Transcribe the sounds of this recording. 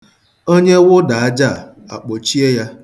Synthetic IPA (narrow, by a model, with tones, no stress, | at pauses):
o˦ɲe˦wʊ˦da˨a˦d͡ʒa˦˨ | a̰˨k͡po˨t͡ʃi˦e˦ja˦